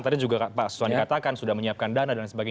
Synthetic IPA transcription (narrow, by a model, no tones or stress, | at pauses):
t̪apid͡ʒuɡapaʔsə̥swandikat̪akansudahməɲiap̚kandanadansəbaɡa